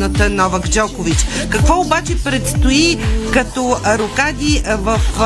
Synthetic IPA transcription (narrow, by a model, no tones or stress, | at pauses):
nət̪ənɔvəkd͡ʒɔkʊvit͡ʃkɐkvɔʊbat͡ʃɛpɾɛt̪st̪ʊikɐt̪ɔɾokad̪ʲivəf